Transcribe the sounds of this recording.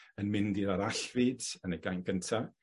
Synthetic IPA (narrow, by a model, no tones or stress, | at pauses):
ənmɪndiɾaɾaɬvidənəɡajnɡʰəntʰa